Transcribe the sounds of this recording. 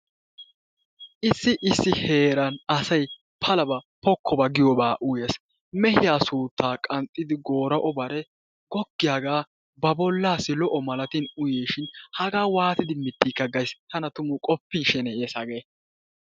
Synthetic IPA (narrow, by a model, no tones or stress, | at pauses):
ʔɪsːɪʔɪsːɪhe̞ːɾɐnɐsɐj | pʰɐlɐbɐpɔkːɔbɐɡɪjɔbaːʔʊjeːs | mɛhɪjaːsuːt̪ːaːkʼɐnt̪ʼːɪd̪ɪɡo̞ːɾɐʔɔbɐɾɛ | ɡ̥ɔɡːɪjaːɡaː | bɐbɔlːaːsːɪlɔʔɔmɐlɐt̪inʊjeːʃɪnhɐɡaːwaːt̪ɪd̪ɪmɪt̪ːiːkːɐɡɐjst̪ɐnɐt̪ʊmʊkʼɔpːɪnʃɛnɛɛːsɐɡeː